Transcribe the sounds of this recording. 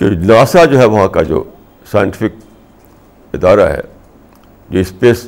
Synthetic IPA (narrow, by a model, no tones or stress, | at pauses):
t̪o̰naːsad͡ʒoːɦɛʋɐɦãkad͡ʒo̰ː | saːj̃ɳʈɪfɪk̚ | ɪd̪aːɾa̰ɦɛ̰ | d͡ʒoːɪspeːs